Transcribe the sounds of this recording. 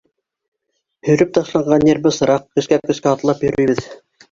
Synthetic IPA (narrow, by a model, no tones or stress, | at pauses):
hɵ̆jɾɘp̚t̪ɑʃlˠɑɴɢɑnːeɾbɤsɤ̆ɾɑqkɵ̆ʃkæp̚kɵ̆skæɑt̪lˠɑpjɵ̆ɾɵ̆jβɘð